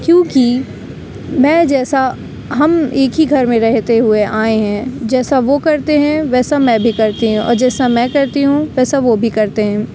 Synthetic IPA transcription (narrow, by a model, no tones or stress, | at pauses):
kjõːki | mɛ̃ːd͡ʒɛːsa | ɦɐmeːkɦiɡʱɐɾmẽɾɛɦt̪eɦʊeʔaːeɦɛ̃ːd͡ʒɛːsaʋokɐɾt̪eɦɛ̃ʋɛːsamɛ̃bʱikɐɾt̪iɦũɔ̰ːɾd͡ʒɛːsamɛ̃kɐɾt̪iɦũʋɛːsaʋobʱikɐɾt̪eɦɛ̃ː